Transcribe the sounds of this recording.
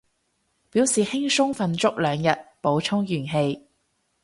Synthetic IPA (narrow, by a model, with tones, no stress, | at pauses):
piː˨˥wsiː˨hɪ˥ŋsʊ˥ŋfɐ˧nt͡ʃʊ˥k̚lœː˨˧ŋjɐ˨t̚po˨˥wt͡ʃʰʊ˥ŋjyː˨˩nɦe˧j